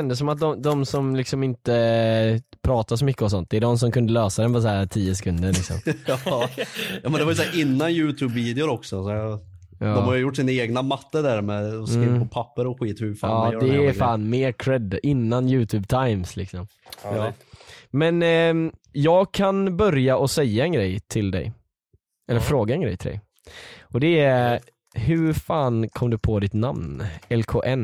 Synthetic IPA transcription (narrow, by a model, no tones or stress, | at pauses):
ɛnd̪əsɔmat̪̚d̪ɔmd̪ɔmsɔmlɪksɔmɪnt̪ə | pʰɾɑːt̪asɔmʏkːəɔs̬ɔnt̪̚d̪ɛːɖ̪ɔms̬ɔmkʰɵnd̪əløːsad̪ɛnpɔs̬hæːɾt̪ʰiːəsɛkʰɵnd̪əɾɭɪksɔ̰m | jɑːmɛnɛvaɾjʏsæːɾʔɪnːanjʉ̟ːt̪ʰʉːbviːd̪ɛʊɾɔksɔsɔ | jɑːdɔmhaɾjʏjʊʈːsɪneːɡnamat̪ːəd̪æɾmɛɔɪnpʰɔpʰapːəɾɔɧiːt̪hʉfaɑːd̪ɛːɾfaːnmeːɾkʰɾɛd̪ɪnːanjʉ̟ːt̪ʰʉːb̚t̪ʰajmslɪksɔm | mɛn | jɑːɡkʰanbœɾjaʔɔsɛjːaɛnɡɾɛjt̪ʰɪld̪ɛ̰j | ɛlːəɾfɾoːɡaɛnɡɾɛ̰jt̪ɪld̪ɛ̰j | ɔd̪ɛæ | ɦɵɾfaːnkʰɔmd̪ɵpʰoːd̪ɪt̪namnɛlkʰo̰ːʔɛn